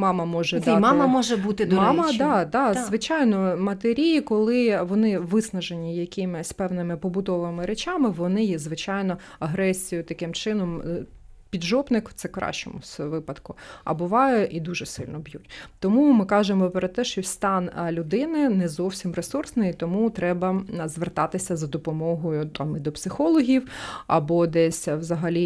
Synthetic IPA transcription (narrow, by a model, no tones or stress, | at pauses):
mɑmɐmɔʒɛmɑmɐmɔʒɛbut̪ɪd̪ɔmɑmɐd̪ɑd̪ɑzʋɪt͡ʃɑjnɔmɐt̪eɾʲijikɔlˠɪʋɔnɪʋɪsnɐʒenʲijɐkʲɪmɪsʲpɛwnɪmɪpɔbʊd̪ɔʋɪmɪɾet͡ʃɑmɪʋɔnɪjɛzʋɪt͡ʃɑjnɔ | ɐɦɾɛsʲijʊt̪ɐkɪmt͡ʃɪnɔm | pʲid̪ʒɔbnɪkt̪sɛkɾɑ̰ʃt͡ʃɔ̰mʊsʋɪpɐd̪kʊɐ̰bʊʋɑjɛʔid̪uʒɛsɪlʲnɔbjutʲt̪ɔmumɪkɑʒemɔpɾɔt̪ɛʃt͡ʃɔst̪ɑnlʲʊd̪ɪnɪnɛzɔwsʲimresursnɪjit̪ɔmut̪ɾɛbɐzʋert̪ɑt̪ɪsʲɐzɐd̪ɔpɔmɔɦɔjʊt̪ɑmid̪ɔpsɪxɔlˠɔɦʲiwɐ̰bɔd̪ɛsʲwzɐɦɐlʲi